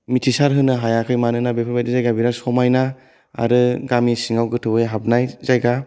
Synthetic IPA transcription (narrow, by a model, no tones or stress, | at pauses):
mitʰisaɾɦɯnɯɦajakʰɯjmanɯnabepʰɯɾbajdizajɡabiɾasɔmajna | a̰ɾɯɡamisiŋawɡɯtʰɯbɯjɦap̚najzajɡa